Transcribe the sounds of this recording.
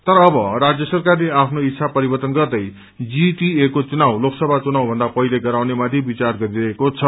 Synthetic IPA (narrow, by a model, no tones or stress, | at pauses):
t̪ʌɾʌːbʌrad͡zjʌsʌrkarleapʰnoit̪ːsʰapʌɾibʌrt̪ʌnɡʌrd̪ʌj | d͡ziʈiekot͡sunawloksʌbʱat͡sunawbʱʌ̃nd̪apʌileɡʌɾawnemad̪ʱjebit͡sarɡʌɾiɾʌɦekot͡sʰʌ